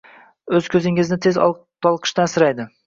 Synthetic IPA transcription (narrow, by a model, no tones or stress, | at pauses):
ɵzkʲʰɵzɪŋɪznɪt̪ʰe̞z | t̪ʰɒlˠqʰɨ̥ʃt̪ansɪɾajd̪ɪ